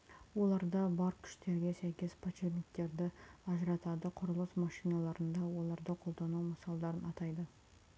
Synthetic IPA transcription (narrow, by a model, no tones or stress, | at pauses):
wo̞lˠɑɾd̪ɑbɑɾkʲʰʏ̥ʃt̪e̞ɾɡʲe̞sæjkʲe̞spʰat͡ʃevnʲɪkt̪e̞ɾd̪ɪɑʒɾɑt̪ɑd̪əqʰʊɾəlˠəsmɑʃijnɑlˠɑɾənd̪ɑwo̞lˠɑɾd̪əqʰo̞lˠd̪ɑnuwməsɑlˠd̪ɑɾənɑt̪ɑjd̪ə